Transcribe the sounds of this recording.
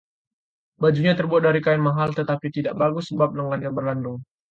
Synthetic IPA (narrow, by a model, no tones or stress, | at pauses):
bad͡ʒuɲat̪ərbuat̪̚daɾikaɪnmaɦalt̪ət̪apit̪idaʔbaɡʊsːəbap̚dəŋanɲabərlandʊŋ